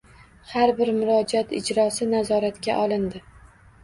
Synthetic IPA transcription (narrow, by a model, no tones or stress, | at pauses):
haɾbɪɾmʊɾɒd͡ʒat̪ɪ̰d͡ʒɾɒsɪnazɒɾat̪kʲa̰ʔɒlɪnd̪ɪ